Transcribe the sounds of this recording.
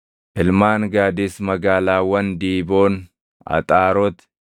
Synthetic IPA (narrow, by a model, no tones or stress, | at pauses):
ʔɪlmaːŋɡaːd̪ɪsmɐɡaːlaːwɐnd̪iːbo̞ːn | ɐ̰t̪ʼaːɾɔt̪